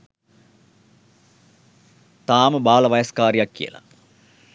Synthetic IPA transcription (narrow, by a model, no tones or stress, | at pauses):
t̪aːməbaːlɐʋɐjɐskaːɾijɐkːijɐ̰lɐ̰